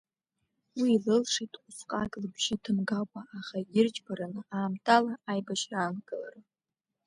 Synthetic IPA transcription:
wiːlɨlʂitʼʷufqʼakʼlɨbʒɪtʰɨmɡakʷʼaʔːχaɡʲɪrt͡ʃʼbaɾanɨaːmtʰʼalaːjbaʃraːnɡʼɨla̰ra

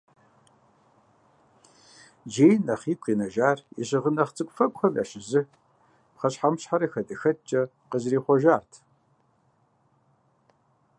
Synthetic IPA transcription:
d͡ʒeːjnɐχiːkʷʰʼiːnɐʒaːrḭɕɪʁənɐχt͡sʼɨkʷʼfɐkʷʼxɐma̰ʃɪzɨ | pχɐɕħamɕħaɾɐxɐtʼɨxɐtt͡ʃʼɐ | qəzriːχʷɔʒaːrtʰ

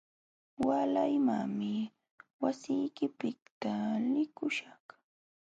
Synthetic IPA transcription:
walajmaŋmɪ | wasɪjkɪpɪkt̪alɪkʊʃaχ

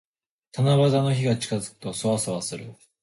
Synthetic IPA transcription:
t̪ʰanaβazano̞çiɡat͡ɕi̥kazɨ̥kɯ̥t̪o̞soβasaβasɨɾɯ̟̰

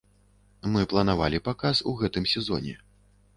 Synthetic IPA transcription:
mɨplˠɐn̪ava̰lʲipakasuɣɛt̪ɨmsʲɛzɔ̰nʲɛ̰

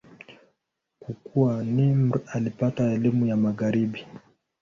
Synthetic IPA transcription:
kukuwanimɾalipataɛlimujamaɣaɾiɓi

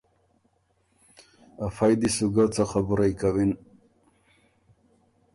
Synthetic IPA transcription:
afajd̪isuɡat͡saxabuɾajkawin

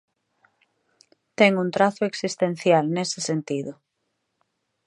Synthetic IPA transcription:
t̪ɛŋũnt̪ɾaθʊeksist̪ẽn̟θjalnesɪsent̪iðʊ

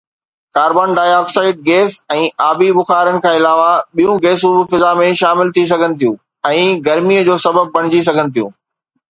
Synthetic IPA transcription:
kaːɾbaːnɖaːjaːksaːɪʈ̚ɡeːsɛ̃ːaːbibʊxaːɾənɪ̆kʰãːɪlaːʋaɓijũɡeːs̬ũbɪfɪzamẽʃaːmɪlt̪ʰis̬ɐɡʱənɪ̆t̪ʰijũ | ɛ̃ːɡɐɾmiəd͡ʑoːsɐbəb̚pɐɽ̤̃ɪd͡ʑis̬ɐɡʱənɪ̆t̪ʰijũː

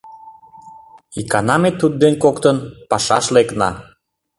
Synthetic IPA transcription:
ikɑnɑmet̪ːud̪̚d̪enkokt̪ənpɑʃɑ̰ʃleknɑ̰

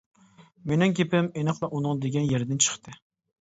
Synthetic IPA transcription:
menɪŋkʲʰepɪmenɨχlˠɑʔunɨŋd̪eɡʲɛnjɛɾd̪ɪnt͡ʃʰə̥χt̪ɨ

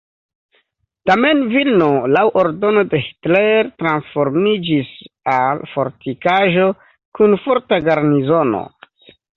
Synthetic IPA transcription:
tame̞nvilnolawʔo̞ɾdo̞no̞de̞hi̥tleɾtɾansfo̞ɾmid͡ʒisalfo̞ɾtikaʒo̞ | kunfo̞ɾtaɡaɾnizo̞no̞̰

